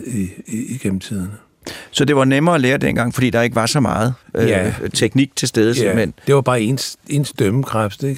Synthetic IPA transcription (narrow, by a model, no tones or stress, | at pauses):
iiɡ̥emm̩t͡sʰið̞̰ˠɐnə | sɒ̽d̥e̝ʋɑ̈nemɐːæleːɐd̥en̰ɡ̥ɑ̈ŋ̰fɒd̥ḭːd̥ɑ̈e̝ɡ̥əʋɑ̈sɒ̽mɑ̈ːð̞̩ˠʔøt͡sʰeɡ̥niɡ̥̚t͡sʰe̝lsd̥eːð̞ˠəmend̥e̝ʋɑ̈b̥ɑ̈ːe̝nse̝ːnsd̥øməkʰʁafd̥eɡ̥